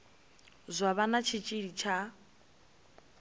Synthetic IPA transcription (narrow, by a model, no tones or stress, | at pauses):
zʷaβanat͡ʃʰit͡ʃʼiɺit͡ʃʰa